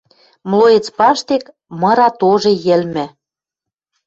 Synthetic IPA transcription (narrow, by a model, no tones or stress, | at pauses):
mlojĕt͡spɑʃt̪ek | mɤ̆ɾɑt̪oʒĕjɘ̆lmɘ̆